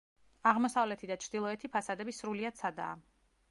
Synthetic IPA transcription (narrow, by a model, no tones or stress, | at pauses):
aʁmɔsavlɛt̪ʰid̪at͡ʃʰɾd̪ilˠɔɛt̪ʰipʰasad̪ɛbisɾuliad̪sʰad̪a̰ː